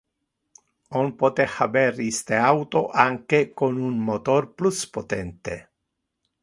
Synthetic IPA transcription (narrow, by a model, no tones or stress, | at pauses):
onpot̪ehabɛɾist̪eawt̪oʔaŋkekonunmot̪orpluspot̪ɛnt̪e